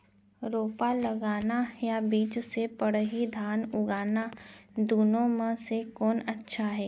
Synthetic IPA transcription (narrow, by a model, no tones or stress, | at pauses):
ɾoːpaləɡaːnajabiːt͡ʃsepəɽɦid̪ʱaːnʊɡaːnad̪uːnõmẽsekɔːnɐtːʃʰaɦɛː